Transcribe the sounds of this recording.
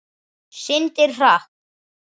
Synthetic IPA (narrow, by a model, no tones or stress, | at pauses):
sɪnt̪ɪɾ̥ra